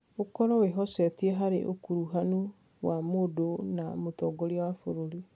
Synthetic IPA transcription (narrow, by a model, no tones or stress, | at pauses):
okɔɾɔweɦɔsɛtieɦaɾḛʔo̰kuɾuɦanu | wamodona̰motɔːɡɔɾiawafoɾoɾi